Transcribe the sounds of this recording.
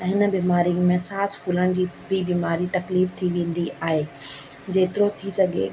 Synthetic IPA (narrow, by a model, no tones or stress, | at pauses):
ɛ̃ɦɪnə̆biːmaːɾijʊ̃mẽsaːsfʰuːləɽ̃d͡ʑiːbɪbiːmaːɾit̪ɐkliːft̪ʰiʋẽːn̆d̪iaːɦe | d͡ʑeːt̪ɪɾot̪ʰisɐɡʱḛ